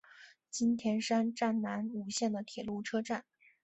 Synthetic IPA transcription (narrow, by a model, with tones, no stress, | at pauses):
t͡ɕi˥nt̪ʰjɛ˧˥nʂa˥nʈ͡ʂa˥˩nna˧˥nu˧˥ɕjɛ˥˩nd̪ə˩t̪ʰjɛ˨˩lu˥˩ʈ͡ʂʰɤ˥ʈ͡ʂa˥˩n